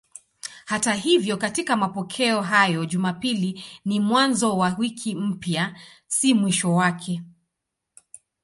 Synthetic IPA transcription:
hataɦivjɔkatikamapɔkʰɛɔɦajɔʄumapilinimwanzɔwawikʰim̩pja | simwiʃɔwakʰɛ

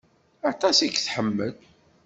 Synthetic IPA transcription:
ɑt̪ˤɑsiɡθħəmːəl

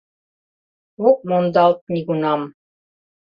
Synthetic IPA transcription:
uk̚mond̪ɑlˠt̪̚nʲiɡunɑm

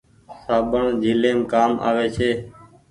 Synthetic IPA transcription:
saːbəɳd͡ʒʱiːlẽːmkaːma̰ːʋeːt͡ʃʰeː

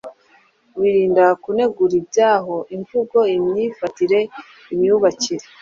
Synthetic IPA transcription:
wiɾiːndakune̞ɡuɾibɟaːɦo̞ʔiɱvuɡo̞imɲiːfatiɾe̞ | imɲuβaciɾe

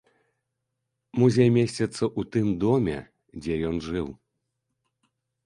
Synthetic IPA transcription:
muzʲejmʲesʲt͡sʲɛt̪sɐʔut̪ɨmd̪ɔmʲɛ̰ | d͡zʲɛjɔnʐɨw

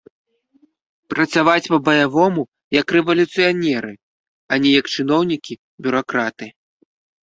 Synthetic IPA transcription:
pɾɐt̪savat͡sʲpɐbɐjavɔmu | jɐkrɛvɐlʲut̪sɨjanʲɛɾɨ | anʲɛjɐkt͡ʂɨnɔwnʲikʲi | bʲuɾakɾat̪ɨ

